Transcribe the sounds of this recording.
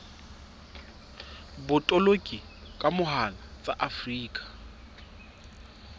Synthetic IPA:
bʊtʼɔlokʼi | kʼamʊɦalat͡sʼaʔafriːkʼḁ

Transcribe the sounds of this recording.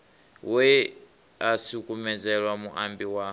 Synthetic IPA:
wɛ | asukʼumɛd͡zɛɺwamuʔambiwa

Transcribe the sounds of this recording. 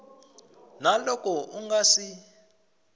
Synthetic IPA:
nalɔkʼɔuŋɡasi

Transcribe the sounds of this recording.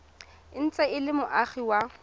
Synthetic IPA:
ɪn̩t͡sʼɛɪlɪmʊʔaχiwa

